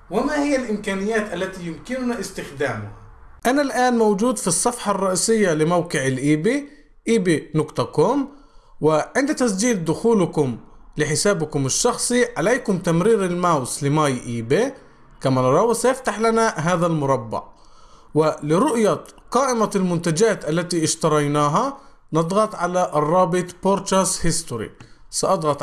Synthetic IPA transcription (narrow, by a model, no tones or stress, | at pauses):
wɪmahɪjːalʔɪmkaːnɪjːaːt̪ʔalːat̪ijʊmkɪnʊnaʔɪst̪ɪxd̪aːmʊhaʔanalʔaːnmawd͡ʒuːd̪fisˤːɑfħɑrˤːɑʔiːsɪjːalɪmawqɪʕɪlʔiːbi | ʔiːbinʊqt̪ˤɑkʊm | wɪʕɪnd̪t̪as̬d͡ʒiːd̪d̪ʊxuːlkʊmlɪħɪsaːbkʊmɪʃːɑxsˤiʕaleːkʊmt̪amɾiːɾɪlmawslɪmaːjʔiːbe | kamanʔɑɾˤɑːwsajɪft̪aħlanaɦaːðalmʊɾˤɑbːɑ̰ʕ | wɪlɪɾʊʔjaqɑːʔɪmalmʊnt̪ad͡ʒaːt̪ʔalːat̪iɪʃt̪ɑɾˤɑjnaːɦa | nɑd̪ˤɣɑt̪ˤʕalaʔrˤːɑːbɨt̪ˤpoɾt̪ɾashɪst̪ʊɾḭsɑʔɑd̪ˤɣɑt̪ˤ